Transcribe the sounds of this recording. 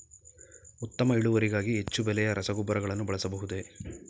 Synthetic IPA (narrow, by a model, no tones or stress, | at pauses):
ut̪ːɐmɐiɭuʋɐɾiɡaːɡiɦet͡ʃːubɛlɛjɐɾɐsɐɡubːɐɾɐɡɐɭɐnːubɐɭɐsɐbɐɦud̪e̞